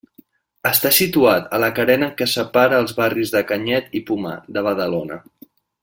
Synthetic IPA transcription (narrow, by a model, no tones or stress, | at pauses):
əst̪asit̪uat̪ələkəɾɛnəkəsəpaɾəːlˠzβarizðəkəɲɛt̪ipuma̰d̪əβəðəlonə̰